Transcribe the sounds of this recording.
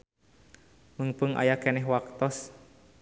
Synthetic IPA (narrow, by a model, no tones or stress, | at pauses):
məŋpəŋʔa̰jakɛnɛɦwak̚t̪ɔs